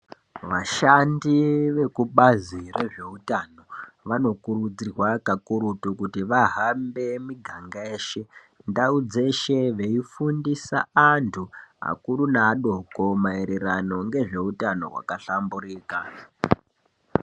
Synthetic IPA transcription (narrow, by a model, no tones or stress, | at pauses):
ʋaʃandiʋe̞kuɓazire̞ʐe̞utano̞ | ʋano̞kuɾud͡zirwakakuɾutukutiʋaɦambe̞miɡʱaŋɡaeːʃe̞ | ndaud͡ze̞ʃe̞ʋe̞ifundisaantʰua̰kuɾunaːɗo̞ko̞maeɾeɾano̞ŋɡe̞ʐe̞utano̞̰ɦwa̰kaɬamburiːka̰